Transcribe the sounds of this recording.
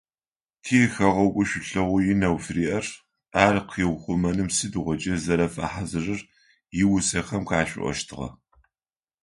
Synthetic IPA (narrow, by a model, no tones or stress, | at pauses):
tʰiɛxɐʁɐkʷʼʊʃʷʊɬɐʁʷʊjɪnɐwfriːʔɐr | aːrqʰiːʁʷʊχʷʊmɐnɨmsɨduʁʷɔt͡ʃʼɐzɐɾɐfɐ̰ħazɨrɨr | jɪwʊsɐxɐmkʰaːɕʷʼʊ̰ʔʷɔ̰ʃtʰɨʁɐ̰